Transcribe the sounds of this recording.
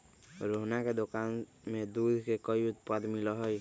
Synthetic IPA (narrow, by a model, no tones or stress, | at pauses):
ɾoɦnaked̪okaːn | med̪ud̪ʱkekəjʊt̪pəd̪mɪlɔɦəj